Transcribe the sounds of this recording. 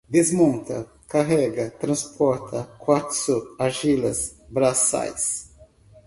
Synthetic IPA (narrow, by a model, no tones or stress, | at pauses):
d̪ezmõnt̪ɐ̰ | kaɦɛɡɐt̪ɾɐ̃spʰɔɾt̪ʰɐkwat̪sʊaʒilɐ̰sbɾasa̰js